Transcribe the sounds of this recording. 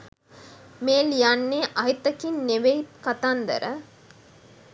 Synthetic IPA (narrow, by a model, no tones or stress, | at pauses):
meːljanːeːʔaɦit̪ɐkinneʋejt̪kat̪and̪ə̰ɾʔə̰